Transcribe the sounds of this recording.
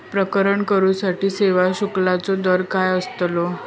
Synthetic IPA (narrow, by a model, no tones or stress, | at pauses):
pɾəkəɾəɳkəɾũsaʈiːseʋaɕuklat͡sɔd̪əɾkajəst̪lo